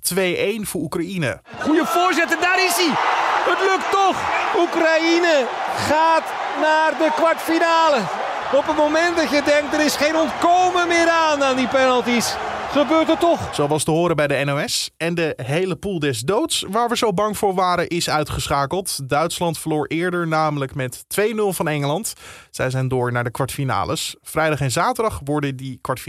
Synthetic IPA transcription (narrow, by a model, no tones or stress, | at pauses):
tʋejʔejnvʊːɹukrainə̰ | χujəvʊːɹzɪtədaɾɪsiətlɵktɔχukrainəχaːt | naːrdəkʋɑɹtfinaːlə | ɔpətmowmɛntdɑtjədɛŋk̚t̚dəɾɪsχejnɔntkowməmɪːɾaːnaːndipɛnəlˠtis | χəbøːɹtətɔχz̥owɑlˠstəɦʊːɾəbɛjdəɛnowɛsɛndəɦejləpulˠdɛzdowtsʋaːɹʋəzowbɑŋv̥ʊːɹʋaːɾənʔɪsœɥtχəsχaːkəlˠtdœɥtslɑntfəɹlʊːɹʔɪːɹdəɹnaːmələkmɛtːʋejnɵlˠvɑnɛŋəlɑntz̥ɛjzɛjndʊːɹnaːɹdəkʋɑɹtfina̰ːlə̰sfrɛjdɑχɛnzaːtəɹdɑχʋɔɹdəndikʋɑt